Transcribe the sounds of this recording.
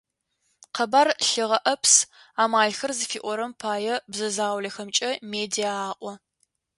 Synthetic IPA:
qʰɐbaːrɬɨʁɐʔɐps | aːmaːɮxɐrzɨfiːʔʷɔɾɐmpʰaːjɛbzɐzaːwɮɐxɐmt͡ʃʼɐmeːdiaːʔʼʷɔ

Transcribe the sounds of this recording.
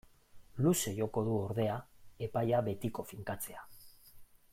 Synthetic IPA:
luse̞ʝo̞ko̞ðuo̞ɾðe̞ae̞pajaβe̞t̪iko̞fiŋkat͡se̞a

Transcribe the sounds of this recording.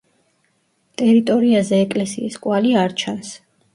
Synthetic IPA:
t̪ʼɛɾit̪ʼɔɾiazɛːkʼlɛsḭiskʼwaliaɾt͡ʃʰans

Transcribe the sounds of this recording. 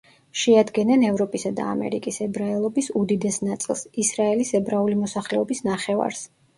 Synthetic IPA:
ʃɛad̪ɡɛnɛnɛvɾɔpʼisad̪a̰ːmɛ̰ɾikʼisɛbɾaɛlˠɔbisud̪id̪ɛsnat̪sʼilˠsisɾaɛlisɛbɾaulimɔsaχlɛɔbisnaχɛva̰ɾs

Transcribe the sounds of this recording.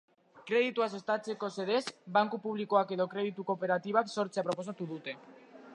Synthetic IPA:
kɾe̞ð̞it̪uas̬e̞st̪at͡se̞ko̞se̞ðe̞sbaŋkupuβ̞liko̞ake̞ðo̞kɾe̞ðit̪uko̞pe̞ɾat̪iβakso̞ɾt͡seapɾo̞po̞sat̪uðut̪e̞

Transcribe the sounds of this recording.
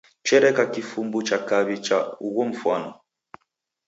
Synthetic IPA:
t͡ʃɛɾɛkakifumbut͡ʃakaβit͡ʃauɣɔm̩fwanɔ

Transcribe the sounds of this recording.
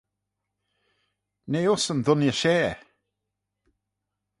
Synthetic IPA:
nejʊsənðʊnjəʃeː

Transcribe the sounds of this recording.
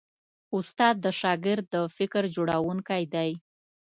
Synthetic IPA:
ʊst̪ɑd̪̚ːəʃɑɡɪɾd̪ːəfɪkɾd͡ʒoɽawuŋkajd̪aj

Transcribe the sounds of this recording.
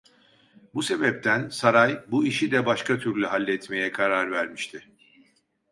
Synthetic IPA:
buse̞bɛp̚t̪ʰænsaɾajbuiʃid̪ɛbaʃkʰat̪ʰyɾlʲyɦalʲːɛt̪me̞jɛkʰaɾaɾvæɾmiʃt̪ʰɪ

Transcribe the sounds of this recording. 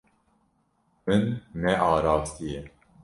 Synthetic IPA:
mɨnːɛʔɑːɾɑːft̪ijɛ

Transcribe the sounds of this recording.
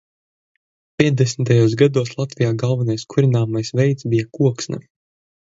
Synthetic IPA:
pʲiɛd̪esmit̪ajuːsɡad̪uɔslˠat̪vʲijaːɡalˠvanajskʰuɾinaːmajsvɛjt̪sbijakuɔksna̰

